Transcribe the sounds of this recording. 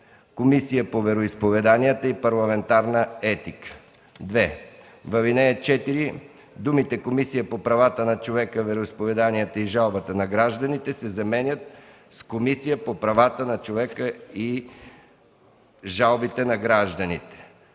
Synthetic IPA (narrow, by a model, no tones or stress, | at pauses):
komisijəpovɛɾoispovɛd̪anijət̪əipɐɾlˠɐmɛnt̪aɾnəɛt̪ikə̥ | d̪vɛ | vɐvinɛɛt͡ʃɛt̪iɾi | d̪umit̪ɛkomisijəpopɾɐvat̪ənɐt͡ʃovɛkəvɛɾoispovɛd̪anijət̪əiʒalˠbət̪ənɐɡɾaʒd̪ənit̪ɛsɛzɐmɛnʲət̪̚ | skomisijəpopɾɐvat̪ənɐt͡ʃovɛkəi | ʒalˠbit̪ɛnɐɡɾaʒd̪ənit̪ɛ̥